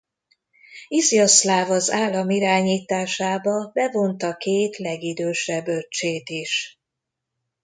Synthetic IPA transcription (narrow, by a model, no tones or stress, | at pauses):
izjɒslaːvɒzaːlːɒmiɾaːɲiːt̪aːʃaːbɒbɛvo̞nt̪ɒkeːt̪lɛɡid̪øːʃɛbøt͡ʃeːt̪iʃ